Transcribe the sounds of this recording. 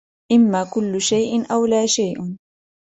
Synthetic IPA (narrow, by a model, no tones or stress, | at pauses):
ʔɪmːaːkʊlːʊʃajʔɪnʔawlaːʃajʔ